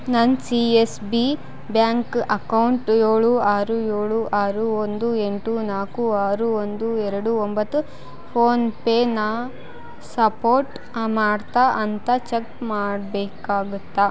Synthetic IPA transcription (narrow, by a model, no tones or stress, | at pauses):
nɐnsiesbi | bjaːŋkʔɐkɐwɳʈjoːɭuaːɾujoːɭuʔaːɾuond̪ueɳʈunaːkuaːɾuond̪uɛɾɐɽuombɐt̪ːu | pʰoːnpeːna | sɐpoːɾʈ | maːɖt̪aʔɐnt̪ɐt͡ʃekmaːɽbɛːkaːɡut̪ːa